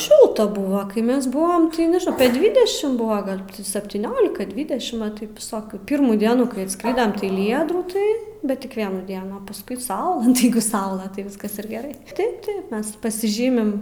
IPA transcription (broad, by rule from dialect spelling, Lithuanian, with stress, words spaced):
ˈʃʲɪlˠtɐ ˈbʊʋɐ kɐɪ ˈmʲɛs ˈbʊʋoːm tɐɪ nʲɛʒʲɪˈnɐʊ ɐpʲiɛ ˈdʲʋʲɪdʲɛʃʲɪm ˈbʊʋɐ ɡɐlˠ sɐpʲtʲiːˈnʲoːlʲɪkɐ ˈdʲʋʲɪdʲɛʃʲɪm ʋɐ ˈtɐɪp ʋʲɪˈsoːkʲuː ˈpʲiːrmuː ˈdʲiɛnuː kɐɪ ɐtˈskrʲɪdɐm tɐɪ ˈlʲiːjɛ druːˈtɐɪ bʲɛt ˈtʲɪk ˈʋʲiɛnuː ˈdʲiɛnuː ɐ pɐˈskʊɪ ˈsɐʊlˠɐ nʊ tɐɪ ˈjɛɪɡʊ ˈsɐʊlˠɐ tɐɪ ˈʋʲɪskɐs ɪr ɡʲɛˈrɐɪ ˈtɐɪp ˈtɐɪp ˈmʲɛs pɐsʲɪˈʒʲiːmʲɪm